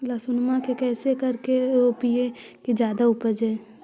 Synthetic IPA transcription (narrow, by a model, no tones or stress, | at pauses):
lasʊnmãkekɛːsekɐɾkeopiekid͡ʒjaːd̪aʊpəd͡ʒɛː